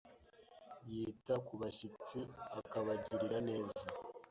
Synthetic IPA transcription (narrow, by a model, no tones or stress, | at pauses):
jiːtakuβaʃit͡siakaβaɟiɾiɾane̞ːza